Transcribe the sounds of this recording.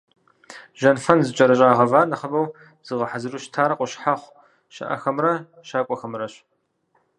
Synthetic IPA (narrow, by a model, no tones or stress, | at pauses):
ʒɐnfɐnzɨt͡ʃʼɐɾɐɕ̬ʼaːʁɐvaːnɐχɐbɐw | z̥ɨʁɐħazɨruʃtʰaːɾɐqʷʊɕħaχʷ | ʃɐ̰ʔɐ̰xɐmrɐ | ʃaːkʷʼɔxɐmrɐɕ